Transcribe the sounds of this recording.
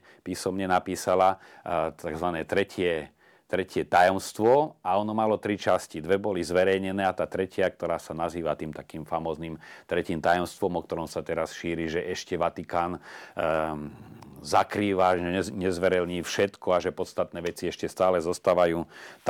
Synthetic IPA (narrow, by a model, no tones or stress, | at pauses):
piːsɔmɲɛnapiːsala | t̪aɡzʋanɛːt̪ɾɛcɪɛ | t̪ɾɛcɪɛt̪ajɔmst̪ʋɔaɔnɔmalɔt̪ɾit͡ʃascid̪ʋɛbɔlizʋɛɾɛjɲɛnɛːat̪aːt̪ɾɛcɪak̚t̪ɔɾaːsanaziːʋat̪iːmt̪akiːmfamɔːznimt̪ɾɛciːmt̪ajɔmst̪ʋɔmɔk̚t̪ɔɾɔmsat̪ɛɾasʃiːɾiʒɛʔɛʃcɛʋat̪ikaːn | zakɾiːʋaʒɛɲɛzʋɛɾɛlɲiːfʃɛt̪kʰɔaʒɛpɔt̪st̪at̪nɛːʋɛt͡siɛʃcɛst̪aːlɛzɔst̪aːʋajuːt̪